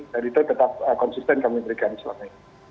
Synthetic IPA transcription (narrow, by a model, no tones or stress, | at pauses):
dadit̪ut̪ət̪ap̚əkɔnsist̪ɛnkamibəɾikansəla̰ma